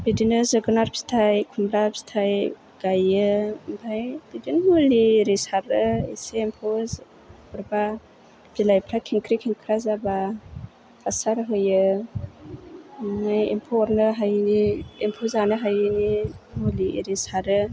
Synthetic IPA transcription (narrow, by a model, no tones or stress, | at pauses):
b̥idinɯzɯɡɯnaɾpʰi̥stʰajkʰumbɾapi̥stʰaj | ɡ̥ajɯmbʰʱajb̥idinmuliːɾisaɾɯḛseːmpʰoz | bɯɾba | b̥ilajpʰɾakʰiŋkʰɾikʰiŋkʰɾazaba | pʰasaɾɦɯjɯ | ŋajempʰɔɾnɯɦajniempʰozanɯɦajɯnimuliḭɾisaɾɯ